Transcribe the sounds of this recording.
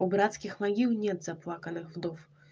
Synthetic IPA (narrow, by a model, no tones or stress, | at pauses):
ubɾat̪skʲixmaɣʲiwnʲɛd̪zaplˠakɐnɨxvd̪ɔf